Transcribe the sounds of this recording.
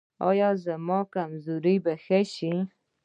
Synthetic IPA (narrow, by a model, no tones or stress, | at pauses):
ɑ̰jɑzamɑkamzuɾibaxaʃi